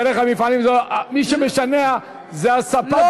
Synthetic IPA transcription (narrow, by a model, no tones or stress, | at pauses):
eɾeχamifalimzomiʃemeʃanea | zeasapa